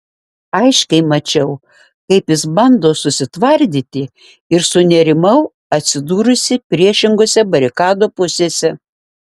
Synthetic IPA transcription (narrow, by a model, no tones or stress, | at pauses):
ɐɪʃkʲɛɪmɐt͡ʃʲɛʊ | kɐɪpjɪsbɐnd̪oːsʊsʲɪt̪ʋɐɾʲd̪ʲiːt̪ʲɪ | ɪɾsʊnʲɛɾʲɪmɐʊ | ɐt̪ʲsʲɪd̪uːɾʊsʲɪpʲɾʲiɛʃʲɪŋɡoːsʲɛbɐɾʲɪkɑːd̪oːpʊsʲeːsʲɛ